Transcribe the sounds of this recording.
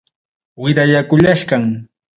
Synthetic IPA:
wɪɾajakʊʎaʃɢɑŋ

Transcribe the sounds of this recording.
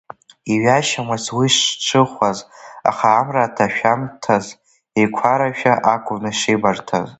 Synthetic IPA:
iɥaʃamazwiʂʈ͡ʂʰɨχʷaza̰χaːmratʰaʃᶣamtʰaz | ekʷʰaɾaʃᶣaʔakʷʼʊnɨʂejbartʰa̰z

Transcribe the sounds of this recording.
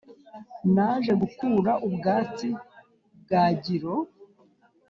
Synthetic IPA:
naʒe̞ɡukuːɾaʔubɡaːt͡si | b̚ɡaːɟiɾo̞

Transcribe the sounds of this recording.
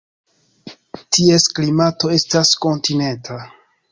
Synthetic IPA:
tʰie̞sklimato̞e̞stasko̞ntine̞ntʰa

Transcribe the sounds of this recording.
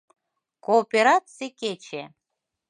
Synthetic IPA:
koːpʲeɾat̪t͡seket͡ɕe

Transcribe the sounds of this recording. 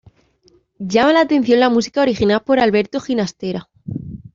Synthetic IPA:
ɟ͡ʝamalaːt̪e̞n̟θjo̞nlamusi̥kaoɾixinalpo̞ɾalβe̞ɾt̪oxinast̪e̞ɾa

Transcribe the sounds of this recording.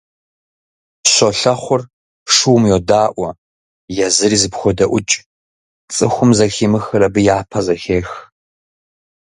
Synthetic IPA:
ɕɔɬɐχʷʊr | ʂuwmjodaːʔʷɐ | jɛzɨriːzɨpxʷɔdɐʔʷʊt͡ʃʼ | t͡sʼɨxʷʊmzɐxiːmɨxɨɾɐbɨjaːpʰɐzɐxeːx

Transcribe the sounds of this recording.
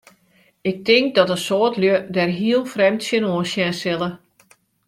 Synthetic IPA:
ɪk̚tɪŋk̚dɔtəsoːtljødɛrɦiəlˠfrɛmtsjənoːsjɛnsɪlˠə

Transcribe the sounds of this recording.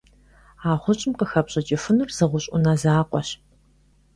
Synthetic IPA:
aːʁʷʊɕʼɪmqəxɐpɕʼɐt͡ʃʼɪfɨnɨrzɨʁʷʊɕʼʊnɐzaːqʷʼɔɕ

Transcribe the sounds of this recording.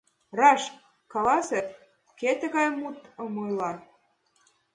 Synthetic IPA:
rɑʃ | kɑlɑse | ket̪ɘ̆ɣɑjmut̪ɤ̆mojlˠɑ

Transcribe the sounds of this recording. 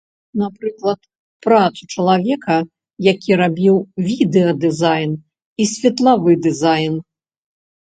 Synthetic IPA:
napɾɨklˠɐt̪ | pɾat̪sut͡ʂɐlˠavʲɛkɐ | jakʲiɾabʲiwvʲid̪ɛɐd̪ɨzajn | isʲvʲɛt̪lˠavɨd̪ɨzajn

